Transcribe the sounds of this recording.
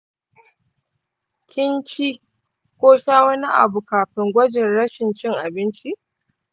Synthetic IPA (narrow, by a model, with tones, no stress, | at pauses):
kʲɪ˦nt͡ʃi˦ | kʷoː˦ʃaː˦wɐ˦ni˦ʔa̰˨bu˨kaː˨ɸɪ˨ŋɡʷɐ˦d͡ʒɪ˨nɽɐ˦ʃɪ˨nt͡ʃɪ˦ŋʔa˨bɪ˦nt͡ʃi˦